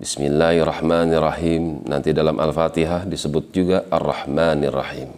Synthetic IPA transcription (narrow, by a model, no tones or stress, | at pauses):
bismilːahrˤɑhmanirˤːɑhimna̰nt̪idalamʔa̰lfat̪iɦahdisəbʊt̪̚d͡ʒuɡaʔarːɑ̰hmanrːɑ̰him